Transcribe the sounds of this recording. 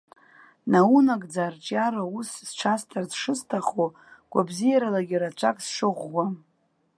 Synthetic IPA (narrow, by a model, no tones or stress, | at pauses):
naunakʼd͡zart͡ʃʼaɾausːʈ͡ʂʰastʰarzʂɨstʰaχo | ɡ̥ʷabzijaɾalaɡʲiɾat͡ʃʷʰakʼsʂɨʁʷːa